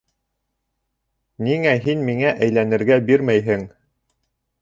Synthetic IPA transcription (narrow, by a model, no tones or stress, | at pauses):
niŋæɦinmiŋæʔæjlænɘ̆ɾɡæbiɾmæjɦɘŋ